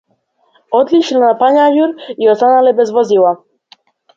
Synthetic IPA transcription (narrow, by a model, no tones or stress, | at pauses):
ɔd̪lit͡ʃlnapaɲaʒuɾiɔst̪analɛbɛzvɔzilˠa